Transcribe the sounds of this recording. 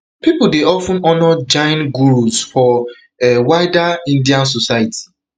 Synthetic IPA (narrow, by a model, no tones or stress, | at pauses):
pipuldeɔfũnɔnɔd͡ʒãɪ̃nɡuɹusfɔ | ɛwaɪdaĩndiãns̬osajiti̥